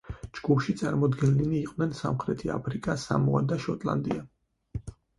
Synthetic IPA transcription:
d͡ʒɡ̥upʰʃit̪sʼaɾmɔd̪ɡɛnliniːqʼwnɛnsa̰mχɾɛt̪ʰia̰pʰɾikʼasa̰mɔa̰d̪aʃɔt̪ʼlˠa̰nd̪ia

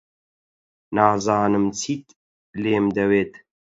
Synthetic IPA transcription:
naːzɑːnɨmt͡sʰit̪ | leːmd̪ɐweːt̪

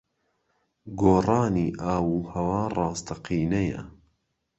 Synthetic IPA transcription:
ɡoːrˤɑːniːʔaːwuːhɐwaːrˤɑːst̪ʰɐqʰiːnɐjɐ̰

